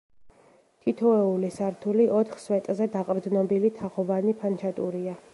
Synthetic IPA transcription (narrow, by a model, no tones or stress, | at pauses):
t̪ʰit̪ʰɔɛulisaɾt̪ʰuliʔɔt̪ʰχswɛt̪ʼzɛd̪aqʼɾd̪nɔbilit̪ʰaχɔvanipʰant͡ʃʰat̪ʼuɾia